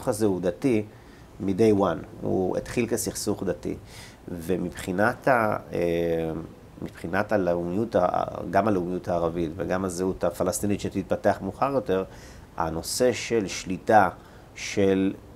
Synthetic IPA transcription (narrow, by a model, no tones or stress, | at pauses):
uχazeud̪ati | mide̞jwanṵḛt̪χilkesiχsuχd̪atḭ | vemipχinatae | mipχinataleumijuta̰ɡamaleumijutaːʁavitveɡamazeutafalast̪initʃetit̪̚pateaχmuχaʁjo̞te̞ʁ | a̰no̞se̞ʃe̞lʃlita | ʃe̞l